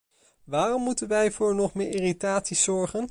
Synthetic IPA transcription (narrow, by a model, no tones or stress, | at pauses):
ʋaːrɔmːutənʋɛjvʊːɹnɔχmɪːɹɪritaːtsiz̥ɔɹχən